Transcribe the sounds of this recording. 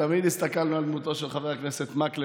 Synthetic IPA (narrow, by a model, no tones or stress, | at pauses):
amid̪hist̪akalnuald̪mut̪o̞ʃelχaveakneset̪makle